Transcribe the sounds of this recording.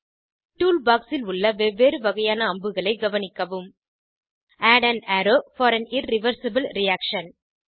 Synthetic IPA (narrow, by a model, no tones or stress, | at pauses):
ʈuːlbaːksɪlʊɭːɐʋeʋeːɾɯʋɐɣɐjaːnɐːmbɯɣɐɭɐɪɡɐʋɐnɪkːɐʋɯm | ʔaːɖɐnæɾoːfɔːɾɐnɪrɪʋɐɾsɐbɯlɾɪjaːkʂɐn